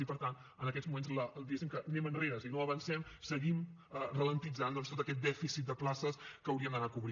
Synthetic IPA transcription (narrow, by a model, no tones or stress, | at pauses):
ipəɾt̪an | ənəkɛzmumenzləlˠd̪iɣesimkənɛmənreɾəsiinoəβənsɛmsəɣimərələnt̪id͡zand̪ɔnst̪ot̪əkɛt̪̚d̪ɛfisit̪̚d̪əplasəskəːwɾiəmd̪ənakuβɾi